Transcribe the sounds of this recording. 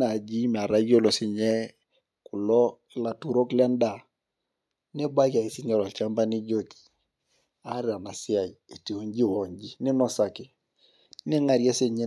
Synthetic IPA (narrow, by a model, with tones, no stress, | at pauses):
na˨d͡ʒi˦mɛ˨a˨ɾa˦jo˦lo˨sɪ˨ɲɛ˦ | kʊ˨lɔ˦ | la˨tu˨ɾo˦klɛ˦n˦da˨ | nɪ˦ba˦ka˨i˨sɪ˦ɲa˦˨la˨t͡ʃa˦mba˦ni˦d͡ʒo˦ki̥˨ | a˦ɾɪ˦a˨na˨sɪ˦a˨i˨e˨ti˨o˦ɲd͡ʒi˦wɔ˨ɲd͡ʒi˦nɪ˦nɔ˦sa˨kɪ˦ | nɪ˦ŋa˨ɾja˦se˦˨ɲe˦